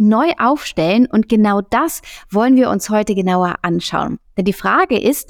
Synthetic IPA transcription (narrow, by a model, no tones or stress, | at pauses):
nɔʏʔaʊfʃtɛlənʔʊnt̚ɡ̥ənaʊd̥asv̥ɔlənviːɐʔʊ̰nshɔʏtəɡənaʊɐʔanʃa̰ʊənd̥ɛndiːfʁ̥aːɡəʔɪst